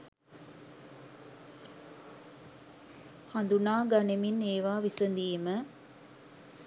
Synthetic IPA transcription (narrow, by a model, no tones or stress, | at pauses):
hɐnd̪unaːɡɐnemineːʋaːʋisənd̪iːmə